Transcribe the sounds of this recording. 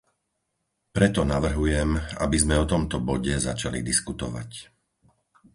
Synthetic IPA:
pɾɛt̪ɔnaʋr̩ɦujɛma̰bizmɛɔt̪ɔmt̪ɔbɔɟɛzat͡ʃalḭd̪iskut̪ɔ̰ʋa̰c

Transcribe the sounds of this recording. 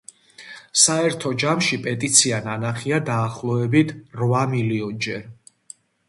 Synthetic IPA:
saɛɾt̪ʰɔd͡ʒamʃipʼɛt̪ʼit̪sʰiananaχiad̪aːχlˠɔɛbit̪ʰɾvamiliɔnd͡ʒɛɾ

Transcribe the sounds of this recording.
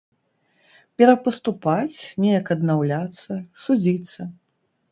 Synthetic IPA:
pʲɛɾɐpɐst̪upat͡sʲnʲɛjɐkɐd̪nawlʲat̪sːɐsud͡zʲit̪sːɐ

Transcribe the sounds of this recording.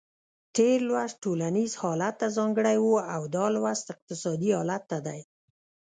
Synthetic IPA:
t̪eɾlwazʈolanizhɑlat̪ːazɑŋɡəɽajwuawd̪ɑlwazt̪ɪq̚t̪ɪsɑd̪iɑlat̪ːad̪aj

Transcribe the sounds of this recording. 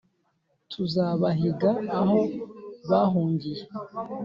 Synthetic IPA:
tʰuzaːβaɦiɡaːho̞βaɦuːŋɡije

